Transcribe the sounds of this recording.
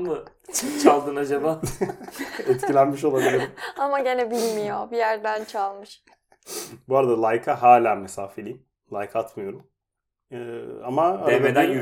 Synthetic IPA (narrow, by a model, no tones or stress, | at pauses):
mɯ | t͡ʃʰokt͡ʃʰalˠd̪ɯnad͡ʒabaː | ɛt̪cilʲænmiʃ̬o̞lˠabilʲiɾimamaɟenɛbilʲmijobijæɾd̪ænt͡ʃʰalˠmɯʃ | buaɾad̪alˠajkʰaɦaːlʲaːmesaːfelʲiim | lˠajkʰat̪mɯjo̞ɾum | ɯːamabed̪ænjy